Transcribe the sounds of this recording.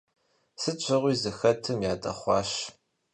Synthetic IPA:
sɨt͡ʃʷʰɐʁʷiːzɨxɐtʰɨmjaːtʼɐ̰χʷɑ̰ːʃ

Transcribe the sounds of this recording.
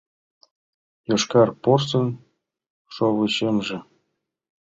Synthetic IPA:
jɤ̆ʂkɑrporsɤ̆n | ʂoʋɤ̆ɕemʐɘ̆

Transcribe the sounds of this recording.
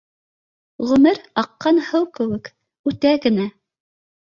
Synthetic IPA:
ʁɵ̆mɘɾɑqːɑnhɤwkɘ̆wɘk | ʉt̪æɡɘ̆næ

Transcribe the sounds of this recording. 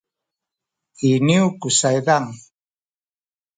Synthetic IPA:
iniwkʊsajɢaŋ

